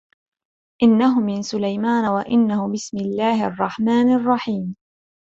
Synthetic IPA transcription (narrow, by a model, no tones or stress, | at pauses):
ʔɪnːaɦʊmɪnsʊlajmaːnawaʔɪnːahʊbɪsmɪlːaːhɪɑ̰rˤːɑħmaːnɑrˤːɑħiːm